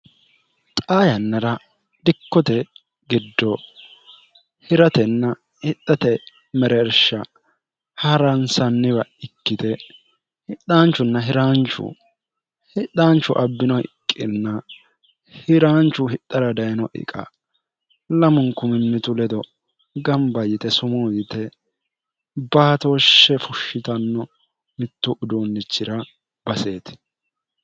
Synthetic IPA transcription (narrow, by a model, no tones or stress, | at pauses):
t̪ʼaːjɐnːɐɾɐ | d̪̥ɪkːɔt̪ɛ | ɡɪd̪ːɔ | hɪɾɐt̪ɛnːɐ | hɪt̪ːɐt̪ɛ | mɛɾɛːɾʃːɐ | hɐɾɐnsɐnːɪβɐɪkːɪd̪ɛ | hɪɗaːnt͡ʃːʊnːɐɦɪɾaːnt͡ʃːʊ̰ | hɪᶑaːnt͡ʃːʊʔɐbːɪnɔɪ̰kʼːɪnːɐ | hɪɾaːnt͡ʃːʊhɪt̪ːɐɾɐd̪ɐjnɔʔɪ̰kʼɐ̰ | lɐmʊnkʊmɪnːɪt̪ʊlɛd̪ɔ | ɡɐmbɐjɪt̪ɛsʊmoːjɪt̪ɛ | baːt̪oːʃːɛfʊʃːɪt̪ɐnːɔ | mɪt̪ːʊʔʊd̪oːnːɪt͡ʃːɪɾɐ | bɐse̞ːt̪